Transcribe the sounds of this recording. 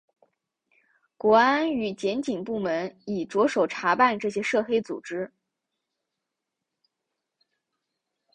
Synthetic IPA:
kwɔ˧˥a˥ny˨˩t͡ɕjɛ˧˥nt͡ɕi˨˩ŋpu˥˩mə˧˥ni˨˩ʈ͡ʂwɔ˧˥ʂo˨˩ʊʈ͡ʂʰa˧˥pa˥˧nʈ͡ʂɤ˥˩ɕ̬jɛ˥ʂɤ˥˩xe˥ɪt͡sṵ˨˩ʈ͡ʂɻ̩˥

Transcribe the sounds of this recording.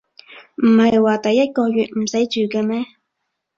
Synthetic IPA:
m̩˨˩hɐ˨jwaː˨t̪ɐ˨jːɐ˥t̚kɔː˧jyː˨t̚m̩˨˩sɐ˨˥jt͡ʃyː˨kɛː˧mɛː˥

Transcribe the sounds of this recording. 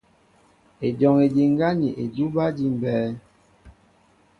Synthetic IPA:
e˨dɔ˨ŋe˨di˨ŋ˦ɡa˦ɲi˨ʔe˨du˦ba˦di˦m˨bɛː˨˦

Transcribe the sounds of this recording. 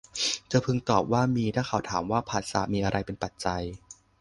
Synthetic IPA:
t͡ɕaː˧˩pʰɯ˧ŋt̪ɔː˨˩p̚waː˥˩miː˧t̪ʰaː˥˩ŋkʰa˧˩wt̪ʰaː˩˦mwaː˥˩pʰaː˨˩t̪̚sa̰ː˩˦miː˧ʔa˧ɾa˧jpe˧npa˨˩t̪̚t͡ɕa˧j

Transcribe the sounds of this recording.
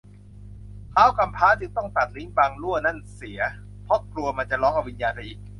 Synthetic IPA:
kʰaː˦˥˩wka˧mpʰaː˦˥t͡ɕɯ˧ŋt̪ɔ˥˩ŋt̪a˨˩t̪̚li˦˥ŋbaː˧ŋlu˥˩əna˥˩nsi˩˦ɐ | pʰɔ˦˥klu˧ɐma˧nt͡ɕa˨˩ʔlɔː˦˥ŋʔa˧wi˧njaː˧nsʰa˧jʔiː˨˩k̚

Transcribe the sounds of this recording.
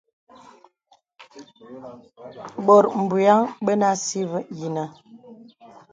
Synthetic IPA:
bɔ˨ɾm̩˨bu˨a˦ŋɓə˦na˦si˦və˦ji˨nə˨

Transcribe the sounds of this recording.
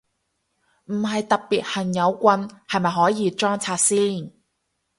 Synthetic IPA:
m̩˨˩ɦɐ˨jt̪ɐ˨k̚piː˨t̚hɐ˨˩ŋjɐ˨˧wkʷɐ˧nhɐ˨jmɐ˨jɦɔː˨˥jiː˨˧t͡ʃɔː˥ŋt͡sʰaː˧t̚siː˥n

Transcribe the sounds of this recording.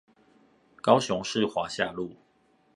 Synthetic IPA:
kɑ˦ʊɕʊ˧˦ŋʂɻ̩˥˨xwa˨˧˥ɕja˥˧lu˥˨

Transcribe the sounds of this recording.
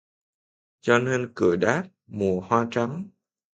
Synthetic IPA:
t͡ɕɔ˧ne˧nkɨ̰˧˩əjɗaː˦˥p̚mu˨˩əhwaː˧t͡ɕa˨˦ŋ

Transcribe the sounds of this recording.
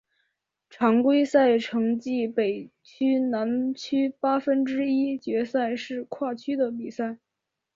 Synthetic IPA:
ʈ͡ʂʰɑ˧˥ŋkwe˥ɪsa˥˩ɪʈ͡ʂʰɤ˧˥ŋt͡ɕi˥˩pe˨˩ɪ | t͡ɕʰy˥na˧˥nt͡ɕʰy˥pa˥fə˥nʈ͡ʂɻ̩˥i˥t͡ɕɥɛ˧˥sa˥˧ɪʂɻ̩˥˧kʰwa˥˩t͡ɕʰy˥d̪ə˨pi˨˩sa˥˩ɪ

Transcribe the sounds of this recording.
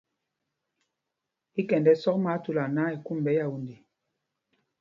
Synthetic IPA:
i˦kɛ˨ndɛ˦sɔ˦k̚ma˨˦tu˨la˨na˦i˨ku˦m˨bɛ˦ja˨wu˦˨ndi˨

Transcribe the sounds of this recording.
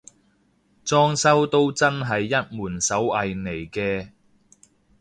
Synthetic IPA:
t͡sɔː˥ŋsɐ˥wt̪o˥wt͡sɐ˥nɦɐ˨jːɐ˥t̚muː˨˩nsɐ˨˥wɐ˨jne˨˩jkɛː˧

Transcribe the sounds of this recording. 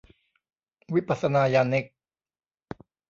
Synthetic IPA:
wi˦˥pːa˨t̪sa˧naː˧jaː˧nːe˦˥k̚

